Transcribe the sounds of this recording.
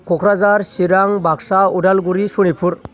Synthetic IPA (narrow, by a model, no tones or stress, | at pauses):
kʰɔkʰɾazaɾsiɾaŋbʱaksauɖalɡuɾisuɽ̃ipʰuɾ